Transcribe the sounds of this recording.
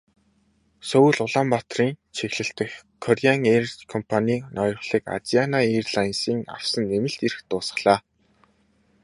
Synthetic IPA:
sɵw̆ɮʊɮaːmpat̪riːnt͡ɕʰexɮɘ̆ɬt̪ɘ̆xkʰːɔrʲaŋerkʰɔmpʰaniːnʔɔjɞ̆χɮ̥iːka̰t͡sianairɮajnsiːŋa̰w̥sə̆nːemɘ̆ɬt̪erxt̪ʊːsə̥̆χɮ̥aː

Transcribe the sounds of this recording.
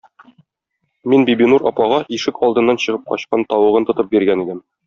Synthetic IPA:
minbibinuɾɒpɑʁɑʔiʃɘkɒlˠd̪ɤ̆nːɑnɕɤ̆ʁɤp̚qɒ̰ɕqɑnt̪ɒwɤ̆ʁɤnt̪ŏt̪ɤp̚biɾɡænid̪ɘm

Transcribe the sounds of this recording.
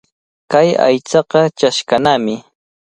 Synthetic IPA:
kaja̰jt͡sɑqɑt͡ʃaʃkanaːmɪ

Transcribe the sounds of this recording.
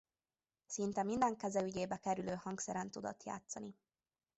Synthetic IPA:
sint̪ɛmind̪ɛŋkɛzɛyɟeːbɛkɛɾyløːhɒŋksɛɾɛnt̪ud̪o̰t̪ja̰ːt̪sɒni

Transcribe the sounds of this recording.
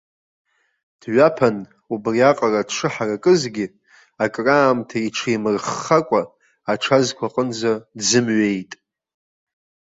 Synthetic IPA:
d̥ɥapʰan | ubriaqʼaradʂʰɨħarakʼɨzɡʲi | akʼraːmtʰaijʈ͡ʂʰijmɨrχakʷʼaː | ʈ͡ʂʰazkʷʰaqʼənd͡zadzɨmɥe̞jtʼ

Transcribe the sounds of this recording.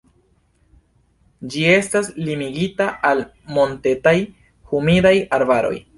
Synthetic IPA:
d͡ʒie̞staslimiɡitaʔal | mo̞nte̞taj | humidajaɾbaɾo̞̰j

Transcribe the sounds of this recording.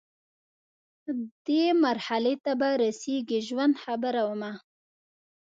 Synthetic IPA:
d̪̥emaɾhalet̪abaɾaseɡiʒwand̪xabəɾawəma

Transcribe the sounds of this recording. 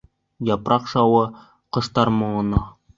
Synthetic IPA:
jɑpɾʔɑqʃɑwɤ | qɤ̆ʃt̪ɑɾmŏɤ̆nɑ

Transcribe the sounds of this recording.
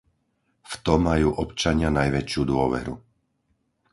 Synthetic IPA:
ft̪ɔmːajuːʔɔpt͡ʃaɲɪanajʋɛt͡ʃɪjud̪ʊɔʋɛ̰ɾu

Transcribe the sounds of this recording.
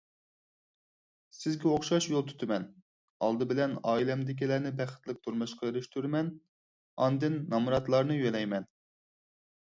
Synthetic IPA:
sɪzɡʲɛoχʃɑʃjolˠt̪ʰy̥t̪ʰɪmɛn | ɑlˠd̪ɨbɪlɛnɑːilɛmd̪ɪkʲilæɾnɪbæχɪ̥t̪lˠɪk̚ʲt̪ʰuɾmɨʃqɑøɾyʃt̪ʰyɾmɛn | ɑnd̪ɨnːɑmuɾɑt̪lˠɑɾnɨjølɛjmɛn

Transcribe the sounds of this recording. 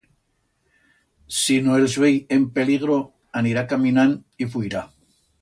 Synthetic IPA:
sinoelzβejempe̞liɣ̞ɾo̞ | aniɾakamĩnanifuiɾa

